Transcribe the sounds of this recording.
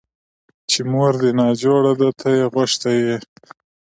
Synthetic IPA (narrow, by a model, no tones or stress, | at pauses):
t͡ʃemoɾd̪enɑːd͡ʒoɽad̪at̪ʰajeɣaʃt̪aje